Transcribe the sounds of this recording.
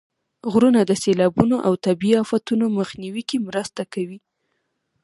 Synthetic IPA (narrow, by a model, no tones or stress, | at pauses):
ɣɾunad̪əselɑbunoʔawt̪abiiɑfat̪unoməxniwikemɾəst̪akawi